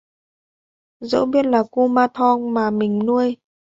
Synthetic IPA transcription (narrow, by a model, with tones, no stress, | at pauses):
zə̰˧˥ɓi˦˥ət̚laː˨˩ku˧maː˧t̪ʰɔ˧ŋmaː˨˩mï˨˩ŋ̟nu˧əj